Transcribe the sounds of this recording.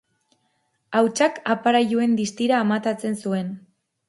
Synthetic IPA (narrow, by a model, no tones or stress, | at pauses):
awt͡ʃakapaɾajue̞nd̪ist̪iɾaːmat̪at͡se̞nsue̞n